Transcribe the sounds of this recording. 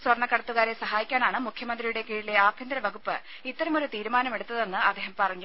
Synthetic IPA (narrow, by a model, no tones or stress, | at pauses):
swɐrnːɐkːɐɽɐt̪ːuɣaːɾesɐɦaːjikʲːaːnaːɳɨmukʰjɐmɐnd̪rijuɽe̞kiːɻile̞aːbʱjind̪ɾɐʋɐɡupːɨ | it̪ːɐɾɐmo̞ɾut̪iːɾumaːnɐme̞ɽut̪ːɐðe̞nːɨɐd̪ːe̞ːɦɐmpɐrɐɲːu